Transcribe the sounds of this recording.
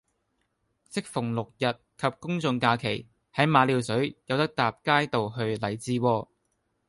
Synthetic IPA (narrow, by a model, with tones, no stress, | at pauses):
sɪ˥k̚fʊ˨˩ŋlʊ˨k̚jɐ˨t̚kʰɐ˨p̚kʊ˥ŋt͡sʊ˧ŋkaː˧kʰe˨˩j | hɐ˨˥jmaː˨˧liː˨˧wsɵ˨˥ɥjɐ˨˧wt̪ɐ˥k̚t̪aː˨p̚kaː˥jt̪o˨wɦɵ˧ɥlɐ˨˩jt͡siː˧wɔː˧